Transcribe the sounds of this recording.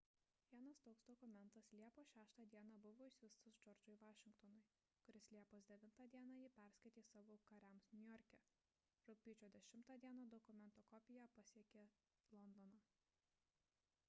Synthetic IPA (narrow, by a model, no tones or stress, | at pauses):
ʋʲiɛnɐst̪oːksd̪ɔkʊmʲɛnt̪ɐslʲiɛpoːʃʲæːʃt̪ɑd̪ʲiɛnɑbʊʋoːɪʃʲʋʲɪst̪ʊsd͡ʒɔɾʲd͡ʒʊɪʋɑːʃʲɪŋkt̪ɔnʊɪ | kʊɾʲɪslʲiɛpoːsd̪ʲɛʋʲɪnt̪ɑːd̪ʲiɛnɑːjɪpʲæɾsʲkɐɪt̪ʲeːsɑːʋoːkɐɾʲæmsnʲʊjɔɾʲkʲɛ | ɾʊpʲiːt͡ʃʲoːd̪ʲɛʃʲɪmt̪ɑːd̪ʲiɛnɐd̪ɔkʊmʲɛnt̪oːkɔpʲɪjɛpɐsʲiɛkʲeː | lˠɔnd̪ɔnɑː